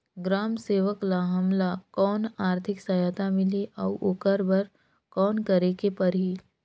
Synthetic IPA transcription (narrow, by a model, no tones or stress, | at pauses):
ɡɾaːmseːʋəklaɦɐmlakɔːnaːɾt̪ʰɪksɐjat̪amɪliʔɔːʔoːkəɾbɐɾ | kɔːnkɐɾekepɐɾiː